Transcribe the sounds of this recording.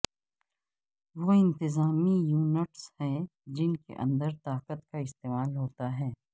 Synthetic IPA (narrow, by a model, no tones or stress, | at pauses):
ʋoːɪ̃nt̪ɪzaːmijuːnɪʈshɛ̃ːd͡ʒɪnkḛʔɐ̰̃nd̪əɾt̪aːqət̪kaɪst̪eːmaːlɦoːt̪aɦɛː